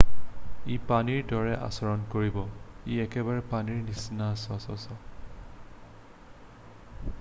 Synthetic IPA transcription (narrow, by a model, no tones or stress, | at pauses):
ipaniɹdɔɹɛʔa̰sɔɹɔnkoɹibɔiɛkɛbaɹɛpaniɹnisnasɔsɔsɔ